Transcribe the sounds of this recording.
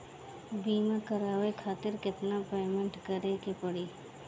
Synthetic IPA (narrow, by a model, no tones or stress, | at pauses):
biːmakəɾaːwekʰaːt̪ɪɾkɪt̪napeːmə̃ɳʈkəɾekepəɽiː